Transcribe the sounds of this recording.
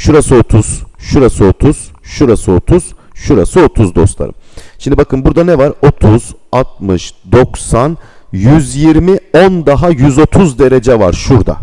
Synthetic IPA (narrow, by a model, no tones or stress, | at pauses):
ʃuɾasɯo̞t̪ʰuz̥ʃuɾasɯo̞t̪ʰuz̥ʃuɾasɯot̪ʰuz̥ʃuɾasɯo̞t̪ʰuzd̪o̞̰st̪lˠa̰ɾɯ̰mʃimd̪ibakʰɯnbuɾd̪anɛvaɾo̞t̪ʰuz̥at̪̚mɯʃd̪o̞ksanjyzjiɾmiond̪aɦajyzo̞t̪ʰuzd̪e̞ɾed͡ʒɛva̰ɾʃuɾd̪a̰